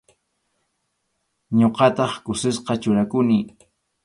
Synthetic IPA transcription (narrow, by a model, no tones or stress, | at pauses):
ɲoqɑt̪ɑχkʊsɪsqɑt͡ʃʊɾakʊnɪ